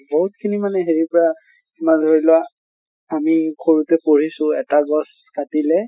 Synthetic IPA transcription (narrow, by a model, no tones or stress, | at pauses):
boɦut̚kʰinimanɛɦeɹipɔɹa | kimandʱɔɹilʊwa | amikʰoɹutɛpoɹisʊ̃ɛtaɡɔs | katilɛ